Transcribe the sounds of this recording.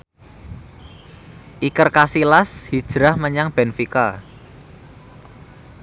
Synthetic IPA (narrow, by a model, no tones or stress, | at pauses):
ʔikərkasilashid̥ʒ̥ɾahməɲaŋb̥ɛnfika